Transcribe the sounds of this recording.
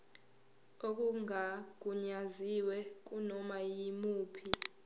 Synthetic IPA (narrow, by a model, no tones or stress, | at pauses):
ok̬ʼuŋak̬uɲaziwɛk̬unɔmajimuːpʰi